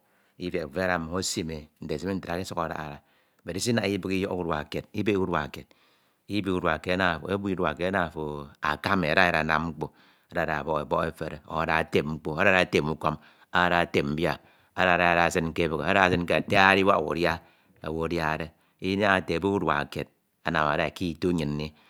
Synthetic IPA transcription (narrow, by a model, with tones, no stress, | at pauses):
i˦fe˨ve˦a˦ɾa˦˨m˨o˦si˦me˨n̩˨de˨si˦me˦n̩˦tɾa˨˦i˦su˦ka˨ɾa̰˨˦a̰˨ɾa˨ | be˨ɾi˨˦si˦na˦i˦bɨ˦ki˦jo˦u˦dwa̰˨ke˨t̚i˦be˦wu˦dwa̰˨ke˨t̚ | i˦bi˦wu˦dwa˨ke˨˦a˦na˦˨fo̰˨e˦bu˦u˦wa̰˨ke˨˦a˦na˦˨fo˨a̰˨ka˦me˨a˨ɾa˦a˦ɾa̰˨na̰˦m˦ŋ͡m̩˦k͡po˦ | a˨da˦˨ɾa˨bɔ˦ɣe˨bɔ˦e˦fe˨ɾe˨o̰˨a˨da˨a˨te˦m̚ŋ͡m̩˦k͡po˦a˦ɾa˦˨a˨˦te˦˨mu˦ko˦m | a˦ɾa˨te˨mm̩˦bja˦ | a̰˨˦ɾa˨a˨ɾa˨sɨ˦n̩˦ke˦˨bɨ˨ɣe˨a˦ɾa˦˨sɨ˦n̩˦ke˦a˨te˦a˦ɾi˦wa̰˦˨wo̰˨ɾja˦ | a̰˨wo˨dja˦˨de˦ | i˦na˦a˨te˨bu˦u˦dwa̰˨ke˨d̚ | a˨na̰˨ma̰˨da˨ki˦˨to˦ɲɨ˨nː˦i˦